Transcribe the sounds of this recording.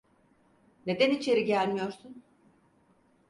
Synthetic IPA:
ne̞d̪ænit͡ʃʰe̞ɾiɟælʲmijo̞ɾsun

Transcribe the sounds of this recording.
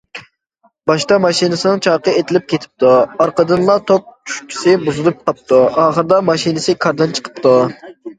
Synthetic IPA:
bɑʃt̪ɑmɑʃinɨsɪnɨŋt͡ʃʰɑːqəet̪ʰɪlɪp̚kʲʰet̪ʰɪ̥p̚t̪uɑɾqəd̪ɨnlˠɑt̪ʰok̚t͡ʃʰy̥ʃkʲʰi̥sɪbuzɨlˠup̚t̪ʰɑp̚t̪uɑːχəɾd̪ɑmɑʃinɨsɨkʰɑɾd̪ɨnt͡ʃʰə̥qʰə̥pt̪ʰu

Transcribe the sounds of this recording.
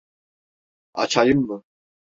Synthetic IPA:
a̰t͡ʃʰajɨmːɨ

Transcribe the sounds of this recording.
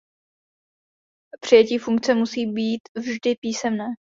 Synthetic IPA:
pr̝̥ɪjɛciːfuŋk̚t͡sɛmusiːbiːt̪vʒdɪpiːsɛmnɛː

